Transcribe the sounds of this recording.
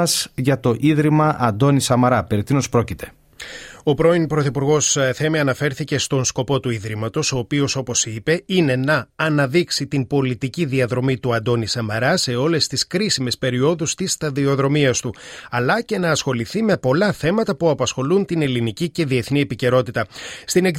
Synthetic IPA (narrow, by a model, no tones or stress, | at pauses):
ɐz̥ʝɐt̪o̞ʔiðɾimɐʔɐnd̪o̞nisɐmɐɾɐpeɾet̪inospɾocit̪ʰe̞̥ | o̞pɾo̞inpɾo̞θipuɾɣo̞sθe̞miɐnɐfe̞ɾθice̞st̪o̞nsko̞po̞t̪uiðɾimɐt̪o̞so̞ːpio̞so̞po̞sipe̞ine̞nɐːnɐðiksit̪imbo̞lit̪iciðiɐðɾo̞mit̪uɐnd̪o̞nisɐmɐɾɐse̞o̞le̞st̪iskɾisime̞spe̞ɾio̞ðust̪ist̪ɐðio̞ðɾo̞miɐst̪uɐlɐce̞nɐːsxo̞liθime̞po̞lɐθe̞mɐt̪ɐpuɐpɐsxo̞lunt̪ine̞linicice̞ðie̞θnie̞pice̞ɾo̞t̪it̪ɐst̪inek